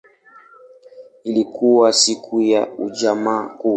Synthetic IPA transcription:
ilikuwasikʰujaud͡ʒamaːku

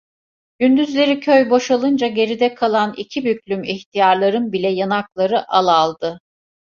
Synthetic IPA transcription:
ɟ̥ynd̪yzlʲe̞ɾicʰøjbo̞ʃalˠɯnd͡ʒaɟe̞ɾid̪ɛkʰalˠanicʰibycʲlʲymiht̪ʰijaɾlˠaɾɯnbilʲɛjanaklˠaɾɯʔalˠalˠd̪ɯ

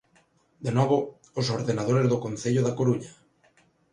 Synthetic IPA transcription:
d̪enɔβo | osoɾðenað̞oɾezðokon̟θeʎoðakoɾuɲa

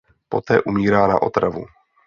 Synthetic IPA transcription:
po̞t̪ɛːʔumiːɾaːna̰ʔo̞t̪ɾavu

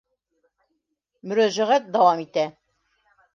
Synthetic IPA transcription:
mɵ̆ɾæʒæʁæt̪̚d̪ɑwɑmit̪æ

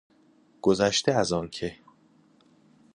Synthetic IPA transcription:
ɡ̥ozæʃt̪ʰeæzɒːŋcʰe

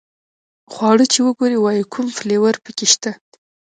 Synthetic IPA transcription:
xwɑɽət͡ʃewəɡoɾiwɑjikʰumflewaɾpəkeʃt̪a

